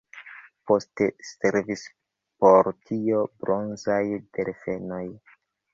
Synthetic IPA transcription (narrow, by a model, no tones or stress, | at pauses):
po̞steseɾvis | po̞ɾtʰiobɾo̞nzajd̥eɾfe̞no̞j